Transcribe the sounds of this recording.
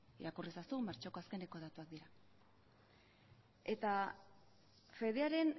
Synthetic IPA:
iɾakurisasumaɾt͡ʃoko̞aske̞ne̞ko̞ð̞at̪uak̚d̪iɾa | e̞t̪a | fe̞ðeaɾe̞n

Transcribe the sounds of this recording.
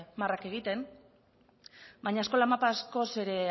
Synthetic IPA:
marake̞ɣ̞it̪e̞n | bajɲaesko̞lamapasko̞se̞ɾe̞

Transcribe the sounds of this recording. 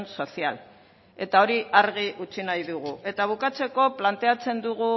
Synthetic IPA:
nso̞sia̰l | e̞t̪ao̞ɾiʔaɾɣiʔut͡sinajðuɣ̞ue̞t̪aβ̞ukat͡se̞ko̞plant̪e̞at͡se̞nd̪uɣu

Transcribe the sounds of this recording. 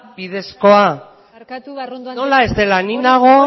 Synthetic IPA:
biðe̞sko̞a | nolaezt̪elaninaɣ̞o̞

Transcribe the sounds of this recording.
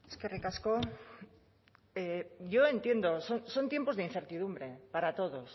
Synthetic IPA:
eskerekasko | eʝoe̞nt̪je̞nd̪osonso̞nt̪je̞mpo̞zðein̟θeɾt̪iðumbɾe̞paɾat̪o̞ðos

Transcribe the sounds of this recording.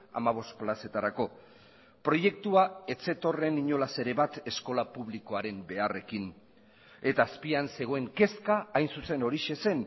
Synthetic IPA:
a̰maβ̞o̞st̪̚plase̞t̪aɾako̞ | pɾo̞je̞k̚t̪uae̞t͡se̞t̪o̞re̞niɲo̞lase̞ɾe̞βat̪e̞sko̞lapuβliko̞aɾe̞mbe̞are̞kin | e̞t̪aːspianse̞ɣ̞o̞e̞ŋke̞skaːjnsuse̞no̞ɾiʃe̞se̞n

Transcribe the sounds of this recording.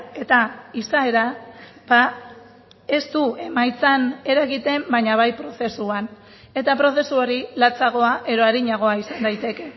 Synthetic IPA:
e̞t̪aisae̞ɾa | ba | e̞st̪ue̞majt͡sane̞ɾaɣit̪e̞mbajɲaβ̞ajpɾo̞se̞suan | e̞t̪apɾo̞se̞suo̞ɾilat͡saɣ̞o̞aʔe̞ɾo̞aɾiɲaɣ̞o̞aisand̪ajt̪e̞ke̞

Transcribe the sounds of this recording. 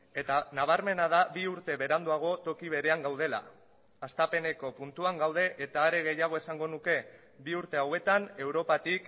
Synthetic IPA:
e̞t̪anaβ̞aɾme̞nað̞aβiuɾt̪e̞βe̞ɾand̪uaɣ̞o̞t̪o̞kiβ̞e̞ɾe̞aŋɡawð̞e̞la̰ː | st̪ape̞ne̞ko̞punt̪uaŋɡawð̞e̞ʔet̪aːɾe̞ɣe̞jaɣ̞o̞esaŋɡo̞nuke̞ | biuɾt̪e̞awe̞t̪ane̞wɾo̞pat̪ik

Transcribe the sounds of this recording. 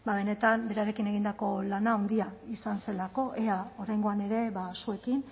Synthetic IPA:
baβe̞ne̞t̪ambe̞ɾaɾe̞kine̞ɣind̪ako̞lanaːwnd̪iaisanse̞lako̞ʔe̞ao̞ɾajŋɡo̞ane̞ɾe̞βasue̞kin

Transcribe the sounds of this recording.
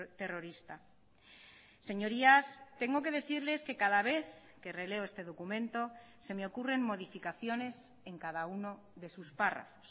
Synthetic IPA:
t̪e̞ro̞ɾist̪a | se̞ɲo̞ɾiast̪e̞ŋɡo̞k̬e̞ðe̞θiɾle̞ske̞kaðaβ̞e̞θ | ke̞re̞le̞oest̪e̞ðo̞kumẽ̞nt̪o̞ | se̞meo̞kure̞ŋmːo̞ð̞ifikaθjo̞ne̞s | eŋkaðauno̞ | ðe̞suspara̰fo̥s

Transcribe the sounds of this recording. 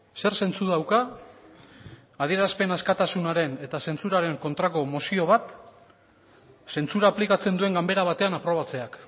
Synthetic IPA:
se̞ɾse̞nt͡suðawka | aðie̞ɾaspe̞naskat̪asunaɾe̞ne̞t̪ase̞nt͡suɾaɾe̞ŋko̞nt̪ɾako̞mosio̞β̞at̪ | se̞nt͡suɾaːplikat͡se̞nd̪ue̞ŋɡambe̞ɾaβ̞at̪e̞anapɾo̞β̞at͡se̞ak

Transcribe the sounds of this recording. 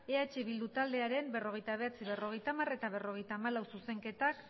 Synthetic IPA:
e̞at͡ʃiβild̪ut̪ald̪e̞aɾe̞mbe̞ro̞ɣ̞e̞jt̪aβ̞e̞at͡siβe̞ro̞ɣ̞e̞jt̪amare̞t̪aβ̞e̞ro̞ɣ̞e̞jt̪aːmalawsuse̞ŋke̞t̪ak

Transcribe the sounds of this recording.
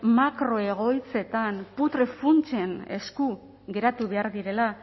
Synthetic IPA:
makɾo̞e̞ɣ̞o̞jt͡se̞t̪anput̪ɾefunt͡ʃe̞ne̞̰sku | ɣe̞ɾat̪uβe̞aɾðiɾe̞la

